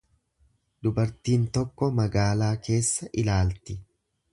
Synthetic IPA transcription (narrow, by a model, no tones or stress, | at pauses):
d̪ʊbɐɾt̪iːnt̪ɔkːɔmɐɡaːlaːke̞ːsːɐʔɪlaːlt̪ɪ